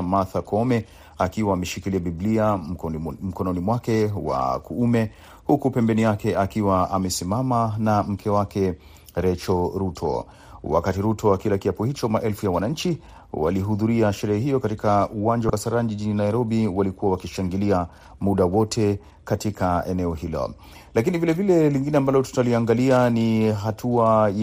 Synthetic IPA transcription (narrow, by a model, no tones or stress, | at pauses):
maθakʰɔmɛ | akiwaːmɛʃikiliabiblia | m̩kɔnɔnimwakɛwa̰kuumɛ | hukupɛmbɛnijakɛakiwaamɛsimamanam̩kʰɛwakɛ | ɾɛt͡ʃɔɾutʰɔ̰ | wa̰katiɾutʰɔwakilakiapuhit͡ʃɔmaʔɛlfujawanaɲ̩t͡ʃi | wa̰liɦuðuɾiaʃɛɾɛhɛɦijɔkatikauwand͡ʒawasaɾanʄiʄininajiɾɔɓiwalikuwawakiʃaŋɡilia | muɗawɔtʰɛ | katikʰaɛnɛɔhilɔ̰ | lakinivilɛvilɛliŋɡinɛambalɔtu̥taliaŋɡalianiɦatʰuaj